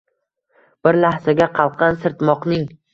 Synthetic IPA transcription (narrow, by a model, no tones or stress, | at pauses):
b̥ɪɾlahsaɡʲaqʰɑlˠqʰɑnsɪɾt̪mɒqnɪŋ